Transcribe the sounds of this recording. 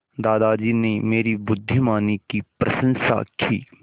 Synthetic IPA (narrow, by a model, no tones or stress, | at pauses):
d̪aːd̪ad͡ʒiːnemeːɾibʊd̪ʱːɪmaːnikipɾʔɐ̰sə̃nsa̰kʰḭː